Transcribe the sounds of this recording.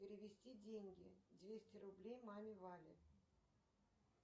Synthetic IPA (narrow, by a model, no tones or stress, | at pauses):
pʲɪɾʲɪvʲɪsʲtʲidʲeŋʲɡʲɪd̪ʲvʲesʲtʲɪɾʊblʲejmamʲɪvalʲɪ̰